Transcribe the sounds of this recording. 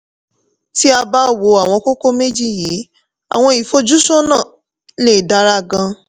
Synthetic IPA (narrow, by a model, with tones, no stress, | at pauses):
ti˦a˧ba˦wo˨a˨w̃ɔ̃˧ko˦ko˦me˦d͡ʒi˦˨jiː˨˦ | a̰˨w̃ɔ̃˧i˨fo˧d͡ʒu˦sɔ˦nãː˦˨ | le˦˨da˨˦ɾa˧˦ɡã˧